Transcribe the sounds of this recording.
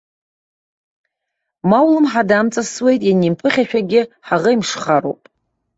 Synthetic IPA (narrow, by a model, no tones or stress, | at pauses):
mawlɨmħadamt͡sʼaswe̞jtʼjanimpʰɨχʲaʃᶣaɡʲɪħaʁəimʂχaɾo̰wpʼ